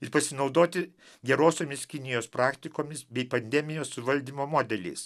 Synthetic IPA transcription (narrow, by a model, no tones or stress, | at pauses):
ɪɾpɐsʲɪnɒʊd̪oːt̪ʲɪ | ɡʲɛɾoːsʲoːmʲɪskʲɪnʲɪjoːspɾɑːkt̪ʲɪkoːmʲɪsbʲɛɪpɐnʲd̪ʲɛmʲɪjoːsʊʋɐlʲd̪ʲiːmoːmoːd̪ʲɛlʲɛ̰ɪs